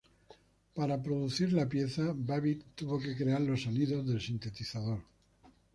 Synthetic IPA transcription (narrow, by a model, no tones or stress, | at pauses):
paɾapɾo̞ðuθiɾlapje̞θabaβit̪t̪ːuβo̞ke̞kɾe̞aɾlo̞sːo̞niðo̞zðe̞lsint̪e̞t̪iθaðo̞ɾ